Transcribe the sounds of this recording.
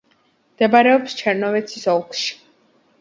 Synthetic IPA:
md̪̥ɛbaɾɛɔpst͡ʃʰɛɾnɔvɛt̪sʰisɔlˠkʰʃi̥

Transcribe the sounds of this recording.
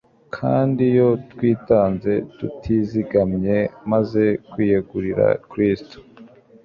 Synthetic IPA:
kʰa̰ːndijo̞twiːtaːnze̞tutʰiziɡamɲe̞maze̞kwiːjeɡuɾiɾa̰kɾisto̥

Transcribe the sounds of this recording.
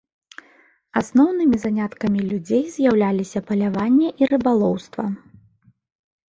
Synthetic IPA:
asnɔwnɨmʲizanʲat̪kɐmʲilʲud͡zʲejzʲjawlʲalʲisʲɐpɐlʲavanʲːɛʔiɾɨbalˠɔwst̪vɐ̰

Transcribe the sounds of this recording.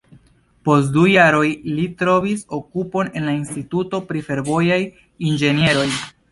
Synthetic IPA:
po̞stdujaɾo̞jlitɾo̞viso̞kupo̞ne̞nlainstituto̞pɾife̞ɾvo̞jaj | ind͡ʒe̞nie̞ɾo̞j

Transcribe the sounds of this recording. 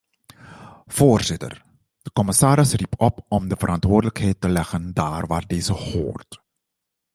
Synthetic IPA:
v̥oːrz̥ɪtə̰r | d̥əkɔməsaːɾɪsripɔpɔmdəvəɾʔɑntʋoːrdələkɦɛjtːəlɛxəndaːrʋaːrdeːzəho̰ːrt

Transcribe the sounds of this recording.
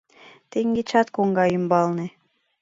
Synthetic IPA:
t̪eŋɡet͡ɕɑt̪koŋɡɑymbɑlne

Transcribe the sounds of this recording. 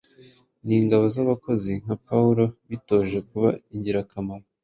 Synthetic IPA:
niːŋɡaβo̞zaβako̞zin̥hapauɾo̞βito̞ːʒe̞kuβaiɲɟiɾakamaɾo

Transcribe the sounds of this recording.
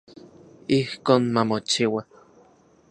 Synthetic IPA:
ihkoːnmamot͡ʃiwa

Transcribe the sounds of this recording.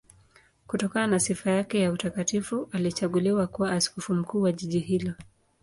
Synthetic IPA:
kutɔkananasifajakɛjautakatifuʔalit͡ʃaɠuliwakuwaːskɔfum̩kuːwaʄiʄiɦilɔ

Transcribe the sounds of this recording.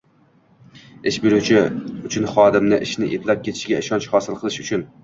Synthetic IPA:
eʃbiɾut͡ʃʰiyt͡ʃʰynχɑːd̪ɨmnɪʔɪʃnɪʔet̪ʰlˠɛp̚kʲʰet̪ʰɪʃiɡʲɛiʃɑnt͡ʃχɑːsɨlˠqʰəlˠɨʃyt͡ʃʰyn

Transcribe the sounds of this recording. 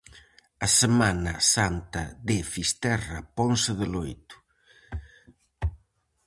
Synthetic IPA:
ɐsemanasant̪ɐd̪efist̪ɛrɐpɔnseðelojt̪ʊ̥

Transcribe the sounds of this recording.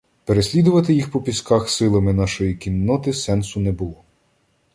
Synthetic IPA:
peɾesʲlʲid̪ʊʋɐt̪ɪjixpɔpʲiskɑxsɪlˠɐmɪnɑʃɔjikʲinːɔt̪ɪsɛnsʊnɛbʊlˠɔ

